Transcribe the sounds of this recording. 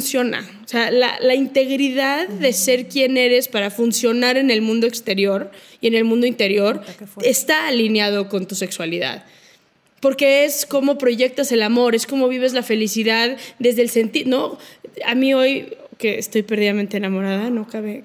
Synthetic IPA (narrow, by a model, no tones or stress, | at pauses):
fnsjo̞na̰oseala̰laint̪e̞ɣɾiðaðːe̞se̞ɾkje̞ne̞ɾe̞spaɾafunsjo̞naɾe̞ne̞lmũnd̪o̞ekst̪e̞ɾjo̞ɾ | ie̞ne̞lmũnd̪o̞int̪e̞ɾjo̞ɾe̞st̪aːlinjað̞o̞ko̞nt̪use̞kswaliða̰ð | po̞ɾke̞esko̞mo̞pɾo̞ʝe̞k̚t̪ase̞lamo̞ɾe̞sko̞mo̞βiβ̞e̞zlafe̞lisiðaððe̞zðelse̞nt̪ino̞a̰mio̞jke̞est̪o̞jpe̞ɾð̞iðament̪eːnamo̞ɾaðanokaβe